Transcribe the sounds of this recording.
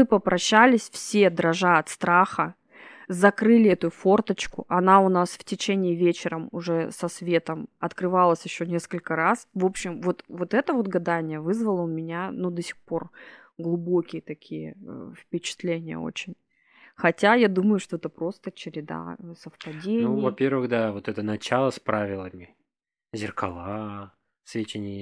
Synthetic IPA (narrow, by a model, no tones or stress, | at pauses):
ɨpəpɾʔɐɕːælʲɪsʲfsʲe̞d̪ɾɐʐaɐt̪st̪ɾaxə | zɐkɾɨlʲɪɛt̪ʊfo̞rt̪ət͡ɕkʊ̰ʔɐnaʊnasftʲɪt͡ɕenʲɪːvʲet͡ɕɪɾəmʊʐɛsɐsvʲe̞t̪əmɐt̪kɾɨvalˠəsʲjɪɕːo̞nʲe̞skəlʲkəɾasvo̞pɕːɪmvo̞t̪vo̞t̪ɛt̪əvo̞t̪ɡɐd̪anʲɪjəvɨzvəlˠəʊmʲɪnʲanud̪əsʲɪ̥xpo̞r | ɡlˠʊbokʲɪjət̪ɐkʲʰijə̰fpʲɪt͡ɕɪ̥t̪lʲenʲɪjə̰o̰t͡ɕɪnʲ | xɐtʲajad̪uməjʊʂt̪o̞ɛt̪əpɾo̞st̪ət͡ɕɪɾʲɪd̪a̰səfpɐdʲenuɪjvɐpʲervɨɣd̪avo̞t̪ɛt̪ənɐt͡ɕalˠəspɾavʲɪlˠəmʲɪ | zʲɪrkɐlˠa | svʲet͡ɕʲɪnʲɪj